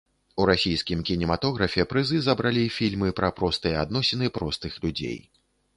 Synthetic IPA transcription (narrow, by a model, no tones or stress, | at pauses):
uɾasʲijskʲimkʲinʲɛmat̪ɔɣɾɐfʲɛpɾɨzɨzɐbɾalʲifʲilʲmɨpɾɐpɾɔst̪ɨjɐad̪nɔsʲɛnɨpɾɔst̪ɨxlʲud͡zʲḛj